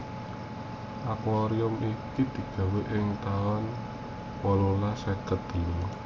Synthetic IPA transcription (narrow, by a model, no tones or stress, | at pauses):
ʔakwaɾiʊmikid̪̥i̤ɡ̥ä̤weʔɪŋt̪aɔn | wɔlolasəkət̪əlu